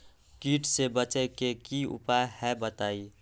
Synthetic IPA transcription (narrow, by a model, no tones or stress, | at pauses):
kiːʈʰsebət͡ʃəkekiʊ̰paehɛbət̪aːi